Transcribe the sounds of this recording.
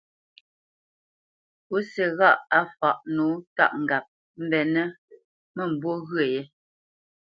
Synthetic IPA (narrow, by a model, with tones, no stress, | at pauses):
o˦sɛ˨ɣa˦˨ʔa˦fa˨ʔnu˨˦ta̰˦˨ʔŋ̩˨ɡa˨p̚ | m̩˦˨bɛ˨nə˦ | mə˦˨m̩˨bwo˦ɣɰə˨jɛ˦